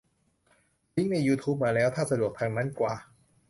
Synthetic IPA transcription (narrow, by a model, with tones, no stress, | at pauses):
ji˦˥ŋna˧jːuː˧t̪ʰuː˦˥p̚maː˧˩lɛː˦˥wt̪ʰaː˥˩sa˧du˨˩ək̚t̪ʰaː˧ŋna˦˥nkwaː˨˩